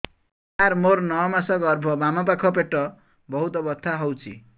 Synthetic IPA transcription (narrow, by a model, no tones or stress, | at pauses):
aɾmoɾnʌmasaɡʌrbʱʌbamapakʰʌp̬eʈːʌ | bʌɦut̪ʌbʌt̪ʰːaɦʌwt͡sʰḭ